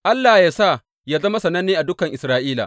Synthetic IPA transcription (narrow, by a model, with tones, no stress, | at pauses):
ʔa˦lːaː˨jaː˦saː˦˨ | jaː˦zɐ˦ma˦sɐ˨nɐ˦nːiː˦ʔa˨dʊ˦kɐ˨ŋʔɪ˨sɾaː˦ʔiː˦la̰˨